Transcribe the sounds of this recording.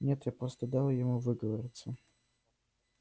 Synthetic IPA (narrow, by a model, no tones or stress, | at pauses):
nʲet̪japɾost̪əd̪ɑlˠjɪmuvɨɡəvəɾʲɪt̪sə